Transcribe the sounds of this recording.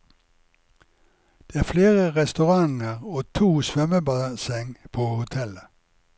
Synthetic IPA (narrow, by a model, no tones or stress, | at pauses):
d̪̥eːæːfleːʁəʁɛst̪ʉʁɑŋəʁoːt̪ʰuːsʋœməbɑːsɛŋpʰoːhʊt̪ʰɛlə